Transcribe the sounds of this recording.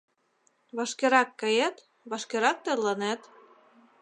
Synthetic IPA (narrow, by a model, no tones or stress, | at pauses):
βɑʃkeɾɑkːɤ̆jæt̪ | βɑʃkeɾɑk̚t̪ĕlɤnæt̪